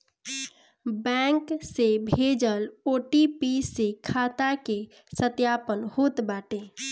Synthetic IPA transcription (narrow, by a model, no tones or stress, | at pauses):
bɛ̃ŋksebʱed͡ʒəloʈipisekʰat̪ake | sət̪japənhot̪baːʈe